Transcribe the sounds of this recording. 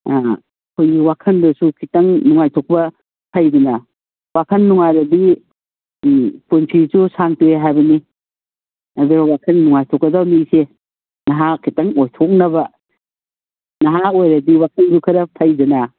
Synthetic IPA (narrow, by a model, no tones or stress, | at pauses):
kʰojɡiwakʰɐndɐsukʰitɐŋnuŋajtʰɔk̚bɐ | pʰajdunɐ | wakʰɐnːuŋajɾɐdi | punsʰisusaŋtueɦajbɐni | ɐduɾawakʰɐnnuŋajtʰɔkːɐdawnise | nɐɦakʰitɐŋojtʰok̚nɐbɐ | nɐɦaojɾɐdiwakʰɐnsukʰɐɾɐpʰɐjdunɐ